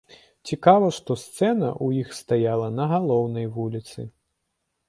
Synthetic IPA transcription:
t͡sʲikavɐʂt̪ɔst̪sɛnɐ̰ʔujixst̪ajalˠɐnɐɣalˠɔwnɐjvulʲit̪sɨ̰

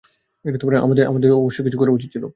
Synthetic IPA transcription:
eʈat̪omaɾea̰mad̪eɾʔa̰mad̪eɾɔboʃːokit͡ɕʰukoɾeut͡ɕʰiːt͡ɕʰilo

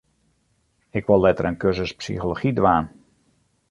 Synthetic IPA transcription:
ɪkʋollɛtərənkørzəspsḭxoloxidʋaːn

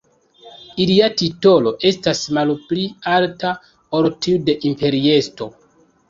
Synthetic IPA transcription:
iliatito̞loʔe̞stasmalplialta | oɾtiude̞ʔimpe̞ɾie̞sto̞

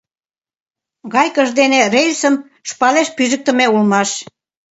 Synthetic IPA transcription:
ɣɑjkəʒd̪enerelʲsəm | ʃpɑleʃpyʒə̆k̚t̪ə̆meulmɑʃ

